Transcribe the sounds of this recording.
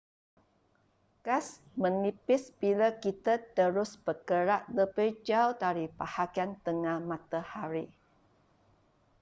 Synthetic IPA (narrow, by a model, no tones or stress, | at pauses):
kas | mə̃nipɪsbilakit̪at̪əɾʊsbəkəɾaʔləbəd͡ʒawdaɾipahaɡiant̪əŋahmãt̪ahaɾi